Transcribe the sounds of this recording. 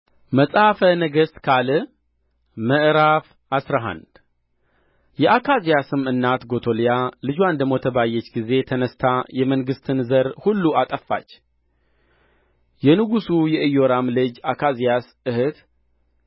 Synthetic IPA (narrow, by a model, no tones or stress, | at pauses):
məsʼhfənəɡəst̪kʰalɨ | məʔɨɾaf | asɾaɦa̰nd̪ | jɛʔakʰazijasɨmɨnːat̪ɡo̞t̪ʰo̞lijalɨd͡ʒuand̪əmːo̞t̪ʰəβajːɛt͡ʃːɡize̞t̪ʰənəst̪ʰajɛməŋɡɨst̪ʰɨnzəɾhulːuat̪ʼəfːa̰t͡ʃː | jɛnɨɡusujɛʔɨjːo̞ɾamlɨd͡ʒakʰazijas | ɨhɨt̪